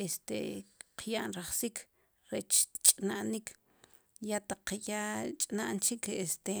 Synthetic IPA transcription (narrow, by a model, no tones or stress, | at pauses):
est̪ḛqʰjaʔnɾaχsikʰ | ɾet͡ʃt͡ʃʼnaʔnikʰ | jat̪aqːjat͡ʃʼnaʔnt͡ʃikʰest̪e